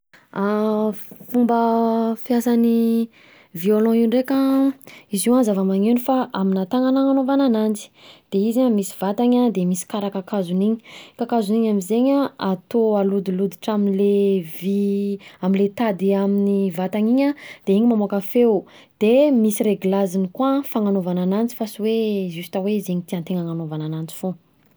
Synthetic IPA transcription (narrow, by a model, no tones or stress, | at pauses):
a | fumbəfjasani | violɔ̃iɳɖ͡ʐekã | iziwanzavamaŋenifaʔaminat̪aŋanaŋanovananand͡zi̥d̪̥eizamisi̥vat̪aɲad̪emisi̥kaɾakakazuniɲi̥kakazuniɲaminzeɲaat̪oalud̪ilud̪iʈ͡ʂaminleviaminlet̪ad̪iaminivat̪aɲiɲad̪̥eiɲimamoakafew | d̪̥emisiɾeɡulazinikwafaŋanovananant͡si̥fasiwezust̪aweizeɲit̪iant̪eŋaŋanovananant͡si̥fõ